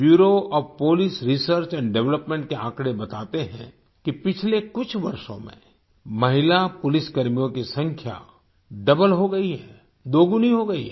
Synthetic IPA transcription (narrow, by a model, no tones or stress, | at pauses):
bjuːɾoɔːɾpoːlisɾisəɾt͡ʃɛ̃ːnɖɛʋləpmɛ̃ːɳʈ̚keã̰ːkɽebɐt̪aːt̪eɦɛ̰̃ | kipɪt͡ʃʰlekʊt͡ʃʰʋɐɾʃõ̰mḛ̃ | mɐɦɪlapʊlɪskɐɾmijõkisɐ̃ŋkʰja̰ | ɖɐbəlɦoɡɐiɦɛː | d̪oːɡʊniɦoɡɐḭɦɛ